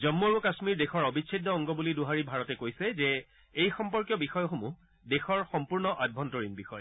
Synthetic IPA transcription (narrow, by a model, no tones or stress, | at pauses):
zɔmːoɹukasmiɹdexɔɹɔbit͡ʃʰidʱɔɔŋɡɔbuliduɦaɹibʱaɹɔtɛkojsɛzɛ | ejxɔmpɔɹkjɔbixɔjɔxomu | dexɔɹxɔmpuɹnɔʔabʱɔntɔɹinbixɔj